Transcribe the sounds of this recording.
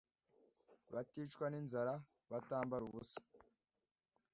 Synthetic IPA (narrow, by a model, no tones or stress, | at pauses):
βatiːt͡ʃkwaninzaɾa | βataːmbaɾuβusḁ